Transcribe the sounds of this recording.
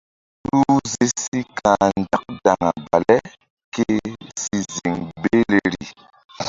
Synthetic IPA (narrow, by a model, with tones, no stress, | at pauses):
ɾu˦ze˦si˦kʰa˨n˦d͡ʒa˦k̚d̥a˨ŋa˨ba˨lɛ˦ | ke˦si˦zi˨ŋbe˦le˦˨ɾi˨